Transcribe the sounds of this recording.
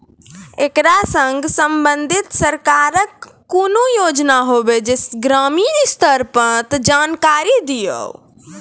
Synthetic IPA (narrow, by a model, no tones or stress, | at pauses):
ekɾasəŋɡsəmbənd̪ʱit̪səɾkaːɾəkː | oːnojoːd͡ʒnaɦobed͡ʒesɡɾamiːnst̪ʰəɾpət̪d͡ʒaːnkaɾid̪ijə̰w